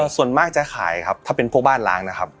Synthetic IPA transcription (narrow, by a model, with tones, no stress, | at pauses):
su˨˩ənmaː˥˩k̚t͡ɕa˨˩xʰa̰ː˨˩˦jkʰa˦˥p̚t̪ʰaː˥˩pe˧npʰu˥˩ək̚baː˥˩nla̰ː˦˥ŋna˦˥kʰa˦˥p̚